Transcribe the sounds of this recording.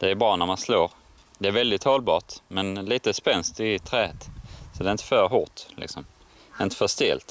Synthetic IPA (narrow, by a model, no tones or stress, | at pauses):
d̪̥ɛæɾbɾɑːnæɾmansloːɾ | d̪ɛæɾvɛld̪ɪt̪hɔlbɑ̰ːʈmɛnliːt̪əspɛnst̪ɪt̪ʰɾɛːhət̪sɔd̪ɛɾɪnt̪ə̥fœɾɦʊʈlɪ̰ksɔm | d̪ɛɪnt̪ə̥fœʂt̪ḛlt̪